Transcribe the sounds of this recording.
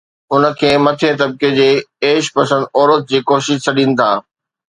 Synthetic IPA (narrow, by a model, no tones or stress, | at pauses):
ʊnə̆kʰeːmɐt̪ʰẽt̪ɐb̚ked͡ʑeːeːʃpɐsə̃nd̪ɔːɾət̪̚d͡ʑiːkoːʃɪʃt͡ɕʰɐɗĩːnɪ̆t̪ʰaː